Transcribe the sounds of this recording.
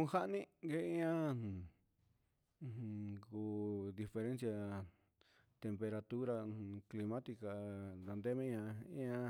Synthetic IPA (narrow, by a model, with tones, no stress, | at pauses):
kũ˧ha˦ʔnĩ˦ɡe˧˦ĩ˦ã˦˨˧ | ku˧d̪i˧fe˧ɾẽ˦nsja˧ | t̪e˧mpe˧ɾa˧t̪u˦ɾã˧kli˧mã˦t̪i˧ka˨d̪a˧nd̪e˦mĩ˦ɲã˧ḭ̃˦ã˧